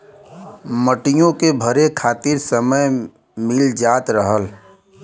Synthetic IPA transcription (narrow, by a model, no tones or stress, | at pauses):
məʈijõkebʱəɾekʰaːt̪ɪɾsəməj | mɪld͡ʒaːt̪ɾəɦəl